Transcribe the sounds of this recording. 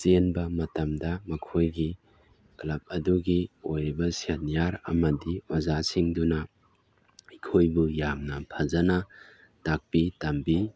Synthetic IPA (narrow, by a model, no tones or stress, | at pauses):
senbɐmɐtɐmdɐmɐkʰojɡi | klɐp̚ɐduɡiojɾibɐsianijaɾɐ̰mɐdiazasiŋdunɐ | ikʰojbujamnɐpʰazɐnɐ | tak̚pitɐmbi